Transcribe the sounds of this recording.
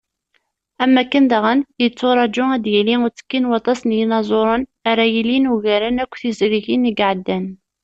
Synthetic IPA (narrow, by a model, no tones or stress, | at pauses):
æmːækːənd̪əʁənjət͡sːoɾˤɑd͡ʒʊæd̪jæliŋʊɾt͡sːə̥kːinwɑt̪ˤɑsnjinɑzˤoɾˤənaɾæjilinuʝæɾənækʷːθizɾiçinəɡʕəd̪ːæn